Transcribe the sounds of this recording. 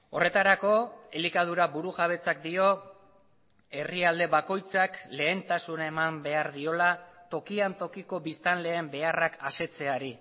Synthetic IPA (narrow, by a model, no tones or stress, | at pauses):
o̞re̞t̪aɾako̞e̞likað̞uɾabuɾuʝaβ̞e̞t͡sak̚d̪io̞ | e̞riald̪e̞βako̞jt͡sakle̞ːnt̪asunaemambe̞aɾðio̞lat̪o̞kiant̪o̞kiko̞βist̪anle̞ːmbe̞arakase̞t͡se̞aɾi